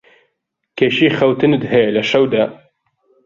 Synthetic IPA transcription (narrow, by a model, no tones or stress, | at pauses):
keʃiːxɐwt̪ɨnɨd̪ɦelɐʃɐwd̪ɐ